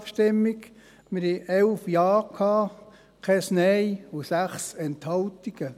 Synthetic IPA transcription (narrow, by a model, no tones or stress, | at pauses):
fʃtɪmːiɡ | mɪɾhɛʔɛlfjɑːkʰɑː | kʰɛsnɛjusæχsɛnthɑltiɡ̥ə